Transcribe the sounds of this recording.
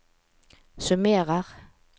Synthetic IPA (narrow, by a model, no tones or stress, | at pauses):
sʉmeːʁəʁ